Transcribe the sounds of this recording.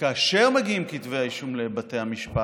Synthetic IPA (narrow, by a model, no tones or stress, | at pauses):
kaːʃe̞ʁmeɡiimkitveaiʃumle̞bate̞jhamiʃpa